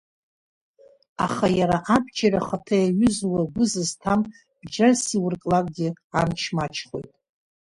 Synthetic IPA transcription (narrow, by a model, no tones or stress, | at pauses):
aχajaɾaʔabd͡ʒaɾaχatʰajaɥʏzwaɡʷʊzɨztʰam | b̥d͡ʒarsiwʊrkʼlakʼɡʲɪa̰nt͡ʃʰmat͡ʃʰχo̞̰jtʼ